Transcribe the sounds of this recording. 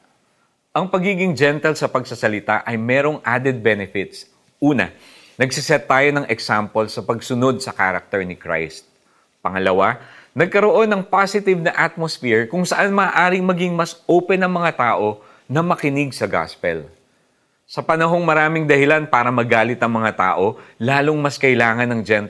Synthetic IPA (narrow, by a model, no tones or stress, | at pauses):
ʔɐŋpɐɡiːɡɪŋd͡ʒɛnt̪ɛlsɐpɐɡsɐsɐlɪt̪aʔɐjmɛːɾo̞ŋʔad̪ɛd̪̚bɛnɛfɪt̪s | ʔuːnɐ̰ | nɐɡsɪsɛt̪ːaːjo̞nɐŋɛksampolsɐpɐɡsʊno̞d̪̚sɐka̰ɾɐk̚t̪ɛɹnɪkɹa̰jst̪̚ | pɐŋɐlɐwanɐɡ̚kɐɾo̞ʔo̞nːɐŋpasɪt̪ɪvnɐʔat̪̚mosfiɹkʊŋsɐʔanmɐːʔaːɾɪŋmɐɡiŋmɐsʔoːpɛnɐŋmɐŋat̪aːʔo̞ | nɐmɐkɪnɪɡsɐɡa̰spɛ̰l | sɐpɐnɐɦo̞ŋmɐɾaːmɪŋd̪ɐhɪlanpaːɾɐmɐɡaːlɪt̪ɐŋmɐŋat̪a̰ːʔo̞laːloŋmɐskɐɪlaːŋɐnɐŋd͡ʒɛn